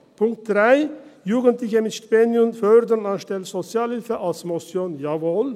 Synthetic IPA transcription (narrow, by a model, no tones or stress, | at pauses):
pʰʊŋk̚t̚d̥ʁaɪjuːɡəntlɪçəmɪtʃtpenjʊnfœɾdənanʃtɛlsz̥ot͡sjaːlhɪlfəʔalsmɔsjoːnjaːvoːl